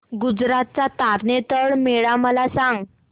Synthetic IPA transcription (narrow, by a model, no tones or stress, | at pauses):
ɡud͡zɾat̪̚t͡sat̪aɾnet̪əɭmeɭaməlasãŋɡ